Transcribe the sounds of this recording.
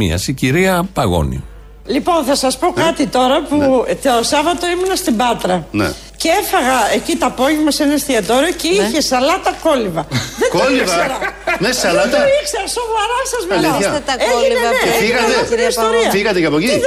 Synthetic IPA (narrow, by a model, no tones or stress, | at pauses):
ḭɐ̰siciɾiɐpɐɣo̞̰nḭ | lipo̞nθɐsɐspo̞kɐt̪it̪o̞ɾɐput̪osɐvɐt̪o̞imunɐst̪ibɐt̪ɾɐn̰ | ceefɐɣɐecit̪oɐpoʝemɐsenest̪iɐt̪oɾioceiçesɐlɐt̪ɐko̞livɐðekolivɐɐɾɐnessɐlɐt̪ɐikseɐsovɐɾɐsɐzmliɐt̪ɐeefiɣɐt̪esoɾiɐfiɣɐt̪ecɐpoci